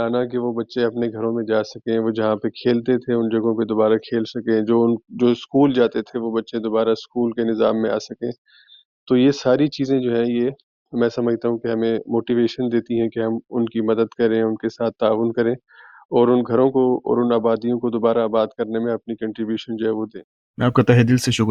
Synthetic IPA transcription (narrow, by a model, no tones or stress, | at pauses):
aːnak̬eʋobɐtːʃẽɐpneɡʱɐɾõmẽd͡ʒaːsɐkẽʋoːd͡ʒɐɦãpekʰeːlt̪et̪ʰeʊnd͡ʒɐɡõped̪oːbaːɾakʰeːlsɐkẽd͡ʒoːʊnd͡ʒoːɪskuːld͡ʒaːt̪et̪ʰeʋobɐtːʃẽd̪oːbaːɾaɪskuːlkenɪza̰ːmːẽa̰ːsɐkẽː | t̪ojesaːɾit͡ʃiːzẽd͡ʒoːɦɛ̃je | mɛ̃ːsɐməd͡ʒʱt̪aɦũkeɦɐmẽmoːʈiʋeːʃənd̪eːt̪iɦɛ̃keɦɐmʊnkimɐd̪əd̪kɐɾẽʊnkesaːt̪ʰːaːʋʊnkɐɾẽː | ɔːɾʊnɡʱɐɾõkoɔ̰ːɾʊnaːbaːd̪ijõkod̪oːbaːɾaːbaːd̪kɐɾnemẽɐpnikɐ̃ɳʈɾɪbjuːʃənd͡ʒoɦɛːʋod̪ẽː | mɛ̃aːp̚kat̪aɦed̪ɪlseʃʊk